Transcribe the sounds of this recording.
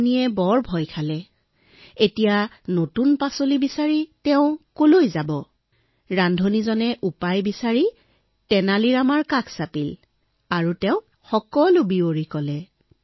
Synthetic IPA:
niɛbɔɹbʱɔjkʰalɛ | etija | notunpasolibisaɹitɛʊ̃kolojzabɔ | ɹandʱonizɔnɛʔupajbisaɹi | tɛnaliɹamaɹkakʰsapil | aɹutɛʊ̃ | xɔkɔlʊbioɹikɔlɛ

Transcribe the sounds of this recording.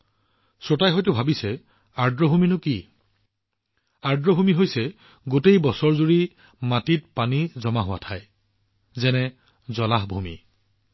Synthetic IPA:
sotajɦɔjtʊbʱabisɛ | aɹdɹɔbʱuminʊki | aɹdɹɔbʱumiɦojsɛ | ɡotejbɔsɔɹzuɹi | matit̚panizɔmaɦʊwa̰tʰaj | zɛnɛ | zɔlaɦbʱumḭ

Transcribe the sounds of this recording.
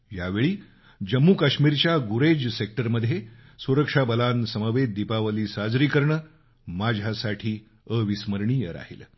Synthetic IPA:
jaʋeɭiː | d͡ʑəmːukaɕmiːɾt͡ɕjaɡuɾed͡ʑsek̚ʈəɾməd̪ʱːje | suɾəkʂabəlansəməʋed̪d̪ipaʋəliːsad͡zɾiːkəɾɳə | mad͡ʑʱasaʈʰiː | əʋisməɾɳiːjəɾa̰ɦḭl

